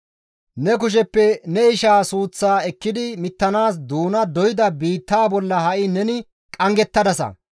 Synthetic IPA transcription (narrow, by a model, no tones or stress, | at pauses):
nɛk̬ʊʃ̬ɛpːɛnɛɪʃaːsuːt͡sːaːɛkːɪd̪ɪmɪt̪ːɐnaːs̬d̪uːnɐd̪ɔjɪd̪ɐbiːt̪ːaːbɔlːɐhɐʔɪnɛnɪ | kʼɐŋɡɛt̪ːɐd̪ɐsɐ̰